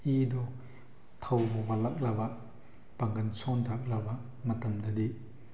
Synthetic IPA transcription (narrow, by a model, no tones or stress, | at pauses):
idɔ | tʰawbɔbalɐk̚lɐba | pɐŋɡɐnsɔntʰak̚lɐba | mɐtɐmdɐdi